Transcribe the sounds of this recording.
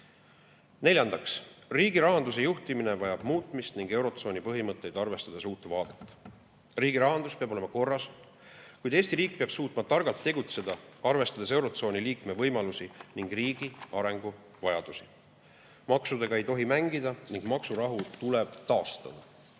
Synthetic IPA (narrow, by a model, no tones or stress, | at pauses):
ne̞lʲjɑnd̪̥ɑksriːɡiɾɑɦɑnd̪us̬e̞juht̪imine̞vɑjɑb̥muːt̪ˑmist̪niŋɡ̥e̞wɾo̞t̪so̞ːnʲipɤɦimɤt̪ˑːe̞jd̪ɑrve̞st̪ɑd̪esuːt̪ːevɑːd̪̥e̞t̪ːˑ | riːɡiɾɑɦɑnd̪uspe̞ɑbo̞lemɑko̞rːɑs | kujd̪̥e̞ːsʲt̪iɾiːk̚peɑb̥suːt̪ˑmɑt̪ɑrɡ̥ɑlt̪ːe̞ɡut̪se̞d̪ɑɑrve̞st̪ɑd̪̥es̬e̞wɾo̞t̪so̞ːnʲiliːkme̞vɤjmɑlusiniŋɡ̥riːɡ̥iɑɾe̞ŋɡ̥u | vɑjɑd̪̥usi̥ | mɑksud̪̥e̞ɡ̥ɑe̞jt̪o̞ɦimæŋɡid̪̥ɑniŋɡ̥mɑksuɾɑɦut̪uleb̥t̪ɑːst̪ɑd̪̥ɑ